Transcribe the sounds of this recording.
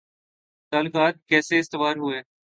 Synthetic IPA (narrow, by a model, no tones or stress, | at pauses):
t̪aːlɪkaːt̪̚kɛːseɪst̪ɪʋaːɾɦʊeː